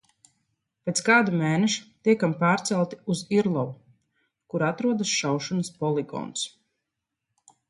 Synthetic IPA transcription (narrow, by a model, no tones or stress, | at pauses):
peːt̪skaːd̪umɛːnɛʃu̥t̪iɛkampaːɾt̪sɛlˠt̪i̥uziɾlˠɔvu | kuɾat̪ɾuɔd̪asʃawʃɔnɐspɔlˠiɡɔ̰ns